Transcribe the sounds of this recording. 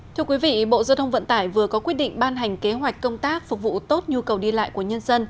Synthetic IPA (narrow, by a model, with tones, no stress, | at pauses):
tʰːəkwi˨˦vḭ˧˨ɓo̰˧˨zaː˧wt̪ʰə˧ŋ͡mvə̰˧˨nt̪aː˧˩jvɨ˨˩əkɔ˨˦kwi˦˥ət̚ɗḭ˧˨ŋ̟ɓaː˧nɦa˨˩jŋ̟ke˨˦ɦwa˨˩jk̟kːə˧wŋ͡mt̪aː˦˥k̚fʊ˨˩k̚vṵ˧˨t̪o˦˥t̚ɲu˧kə˨˩wɗi˧la̰ː˧˨jku˧˩əɲə˧nzə˧n